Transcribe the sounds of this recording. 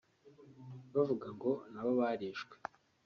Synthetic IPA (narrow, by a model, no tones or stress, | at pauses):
βavuɡaŋɡo̞naβoβaːɾiʃwe